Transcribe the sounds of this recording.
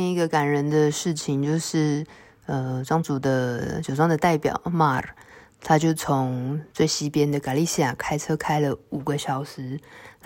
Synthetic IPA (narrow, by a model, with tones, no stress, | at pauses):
i˧˥ɡə˨ka˨˩nɻə˧˥nd̪ə˧ʂɻ̩˥˩t͡ɕʰi˨˩ŋt͡ɕjo˥˧ʊʂɻ̩˥˩ | ə˧ʈ͡ʂɑ˥ŋt͡su˨˩d̪ə˦t͡ɕjo˨˩ʊʈ͡ʂɑ˥ŋdə˨t̪a˥˩ɪpjɑ̰˨˩ʊma˥˩ | t̪ʰa˥t͡ɕjo˥˩ʊt͡sʰo˧˦ŋt͡swe˥˩ɪɕi˥pjɛ˥nd̪ə˨ka˨˩li˥˧ɕi˥ja˨˩kʰa˥ɪt͡sʰɤ˥kʰa˥ɪlə˨u˨˩ɡə˦ɕjɑ˨˩ʊʂɻ̩˧˥